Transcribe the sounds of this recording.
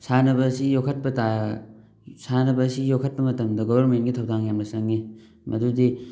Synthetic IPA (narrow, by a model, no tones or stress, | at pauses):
sanɐbɐsijokʰɐt̚pɐta | sanɐbɐːsijokʰɐt̚pɐmɐtɐmdɐɡobɐɾmenɡitʰɐwdaŋjamlɐsɐŋːi | mʔɐdudi